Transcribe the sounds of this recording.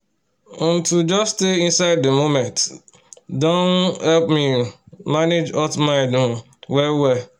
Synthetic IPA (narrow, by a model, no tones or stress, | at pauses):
tud͡ʒɔssteĩnsaɪdːemomɛ̃nt | dõnhɛlpmi | maned͡ʒɔtmaɪdũ | wɛwɛ